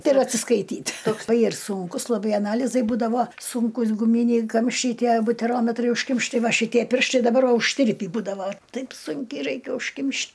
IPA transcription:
ˈtɐɪ ɪr ɐtʲsʲɪskɐɪˈtʲiːtʲ toːk ɐɪ ɪr ˈsʊŋkʊs lˠɐˈbɐɪ ɐˈnɑːlʲɪzɐɪ ˈbuːdɐʋoː ˈsʊŋkʊs ɡʊˈmʲiːnʲɛɪ ˈkɐmʲʃʲt͡ʃʲɛɪ ˈtʲiɛ bʊtʲɛˈroːmʲɛtrɐɪ ʊʃʲˈkʲɪmʲʃʲtʲɪ ˈtɐɪ ˈʋɐ ʃʲɪˈtʲiɛ ˈpʲɪrʃtɐɪ dɐˈbɐr ˈʋɐ ʊʃʲˈtʲɪrʲpʲiː ˈbuːdɐʋɐ ˈtɐɪp ˈsʊŋʲkʲɛɪ ˈrɐɪkʲɛ ʊʃʲˈkʲɪmʲʃʲ

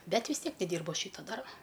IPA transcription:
ˈbʲɛt ʋʲɪs ˈtʲiɛk nʲɛˈdʲiːrbʊ ˈɐʃ ˈʃʲiːtoː ˈdɐrboː

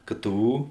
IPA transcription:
ˈkɘ ˈtɘ ˈuː

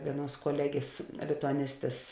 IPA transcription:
ˈʋʲiɛˌnuɔs koːˈlʲæːɡʲeːs lʲɪtʊɐˈnʲɪsʲtʲeːs

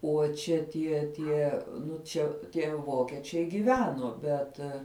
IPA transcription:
oː ˈt͡ʃʲɛ tʲiɛ ˈtʲiɛ ˈnʊ ˈt͡ʃʲɛ tʲiɛ ˈʋoːkʲɛt͡ʃʲɛɪ ɡʲɪˈʋʲæːnoː ˈbʲɛt

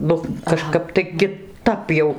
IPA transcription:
ˈnʊ kɐˈʃkɐp tɐɪ kʲɪˈtɐp jɛʊ

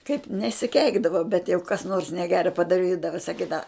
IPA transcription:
kɐɪp nʲɛsʲɪˈkʲɛɪɡdɐʋɐ bʲɛt jɛʊ kɐs ˈnoːrs nʲɛˈɡʲæːrɐ pɐdɐˈrʲiːdɐʋɐ sɐˈkʲiːdɐʋɐ

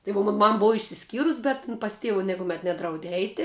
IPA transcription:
tɐɪ ʋoː ˈmoːn ˈmɐm ˈboːw ɪʃʲsʲɪˈsʲkʲiːrʊs ˈbʲɛt ɪn pɐs ˈtʲeːʋʊ nʲɪkʊˈmʲɛt ˈnʲæːdrɐʊdʲeː ˈɛɪtʲɪ

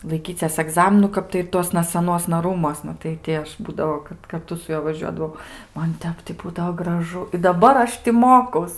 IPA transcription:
lˠɐɪˈkʲiːt͡sʲɛs ɐˈɡzɑːmʲɪnʊ ˈkɐp tɐɪ ɪr ˈtuɔsnɐ sɐˈnuɔsnɐ ˈruːmuɔsnɐ tɐɪ ˈtʲɪ ˈɐʃ ˈbuːdɐʋoː kɐt kɐrˈtʊ sʊ ˈjuɔ ʋɐˈʒʲuɔdɐʋɐʊ ˈmɐn ˈtʲɛp tʲɪ ˈbuːdɐʋoː ɡrɐˈʒʊ ɪ dɐˈbɐr ˈɐʃ tʲɪ ˈmoːkɐʊs

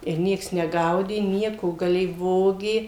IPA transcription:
ɪr ˈnʲiɛks nʲɛˈɡɐʊdʲeː ˈnʲiɛkoː ɡɐˈlʲeːj ˈʋoːɡʲeː

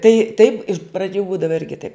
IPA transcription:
ˈtɐɪ tɐɪp ɪʃ prɐˈd͡ʒʲuː ˈbuːdɐʋɐ ˈɪrʲɡʲɪ tɐɪp

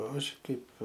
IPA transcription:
ˈɐʃ ˈkɐɪp

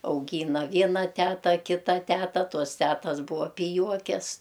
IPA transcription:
ɐʊˈɡʲiːnɐ ˈʋʲiɛnɐ ˈtʲæːtɐ ˈkʲɪtɐ ˈtʲæːtɐ ˈtoːs ˈtʲæːtɐs ˈbuːɐ pʲɪˈjuɔkʲɛs

